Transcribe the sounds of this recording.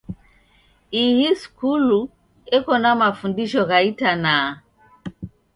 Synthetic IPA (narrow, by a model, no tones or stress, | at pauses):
ihiskulu | ɛkɔnamafundiʃɔɣaitana